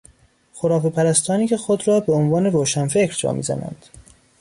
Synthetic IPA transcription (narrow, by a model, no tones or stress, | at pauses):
xoɾɒːfe̞pʰæɾæst̪ʰɒːniːcʰe̞xod̪ɾɒːbeonvɒːne̞ɾoːʃænfe̞cʰɾd͡ʒɒ̰ːmḭzæ̰næ̰nd̪̥